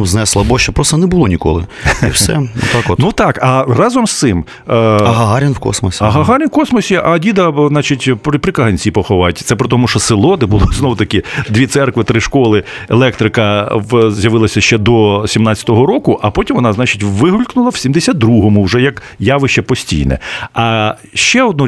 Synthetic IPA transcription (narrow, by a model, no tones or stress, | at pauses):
uznɛslˠɐbɔʃt͡ʃɛpɾɔst̪ɐnɛbʊlˠɔnʲikɔ̰lˠɪ̰iwsɛ̰nṵt̪ɑkɔtnut̪ɑkɐrɑzɔmst̪sɪm | ɐɦɐɦaɾʲinwkɔ̰smɔsʲiɐɦɐɦɑɾʲinwkɔsmɔsʲiʔɐdʲid̪ɐznɑt͡ʃitʲpɾʲɪpɾʲɪkɐɦɐnʲt͡sʲipɔxɔʋɑtʲt̪sɛpɾɪt̪ɔmʊʃt͡ʃɔsɪlˠɔd̪ɛbʊlˠɔznɔwt̪ɐkɪd̪ʋʲit̪sɛrkʋɪt̪ɾɪʃkɔlˠɪelˠɛkt̪ɾɪkɐwzʲjɐʋɪlˠɐsʲɐʃt͡ʃɛd̪ɔsʲimnɑt͡sʲːɐ̥t̪ɔɦɔɾɔkʊʔɐpɔtʲimʋɔnɑznɑt͡ʃɪtʲʋɪɦʊlʲknʊlˠɐw̥sʲimd̪esʲad̪ɾuɦɔmʊʊʒɛjɐk | jɑʋɪʃt͡ʃɛpɔsʲtʲḭjnɛ̰ɐ | ʃt͡ʃɛɔd̪nɔ